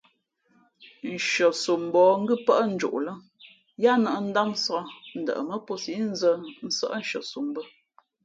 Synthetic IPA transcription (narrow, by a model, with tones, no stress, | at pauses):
n̩˨ʃə˨su˨m˨bɔː˨ŋ̩˦ɡə˦pə˦ʔn̩˦d͡ʒṵ˨ʔlə˦ŋ | ja˦nə˨ʔn̩˦da˦msɔ˦n̩˨də̰˨ʔə˨mə˦po˦si˨˦n̩˦zə˦n̩˦sə̰˦ʔn̩˦ʃə̰˨su˨mbə˦